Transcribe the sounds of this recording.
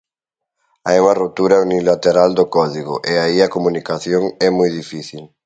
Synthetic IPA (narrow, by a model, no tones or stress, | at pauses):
ajuŋɐrop̚t̪uɾɐunilat̪eɾald̪ʊkɔðiɣʊ̰ʔɪaiɐkomunikaθjoŋɛmujðifiθil